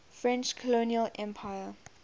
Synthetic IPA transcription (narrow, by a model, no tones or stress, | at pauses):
fɹɛ̃nt͡ʃkʰɔloniəlʔɛ̃mpʰajə